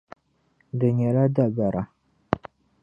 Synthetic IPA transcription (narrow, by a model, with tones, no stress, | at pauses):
dɨ˨ɲɛ˨la˦da˦˨ba˨ɾʔa˨